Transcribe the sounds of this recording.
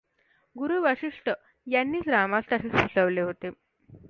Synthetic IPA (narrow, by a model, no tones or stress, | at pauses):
ɡuɾuːʋəɕiʂʈʰə | janːiːt͡sɾamast̪jasesusəʋleɦot̪e